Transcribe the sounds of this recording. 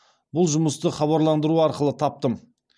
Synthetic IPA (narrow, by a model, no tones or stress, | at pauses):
bʊlˠʒʊməst̪əχɑβɑɾlˠɑnd̪əɾuɑɾqəlˠət̪ʰɑp̚t̪əm